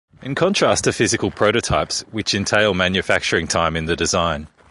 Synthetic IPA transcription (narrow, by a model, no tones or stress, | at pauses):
ʔɪ̃nkʰɒ̃ntʰɹ̥æstʰəfɪzɨkəlˠpʰɹ̥əʊɾətʰɑɪpswɪt͡ʃɪ̃ntʰeɪlˠmæ̃njɨfæk̚t͡ʃə˞ɪ̃ŋtʰãɪ̃mɨ̃nðɨdɪzãɪ̃n